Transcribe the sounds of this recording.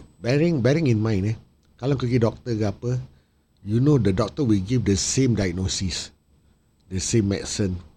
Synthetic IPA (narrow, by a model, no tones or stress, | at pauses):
bɛɹĩŋbɛɹĩŋĩnmãj̃nɛ | kalaŋkəɡidɔk̚t̪əɡapə | junodədɔk̚t̪əwilɡifdəsẽmdajɡ̚nosis | dəsẽmːɛ̰ksə̃n